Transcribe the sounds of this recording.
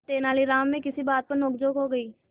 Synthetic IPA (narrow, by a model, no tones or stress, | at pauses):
t̪eːnaːliɾaːmːẽkɪsibaːt̪̚pɐɾnɔːkd͡ʒoːɡɦoɡɐiː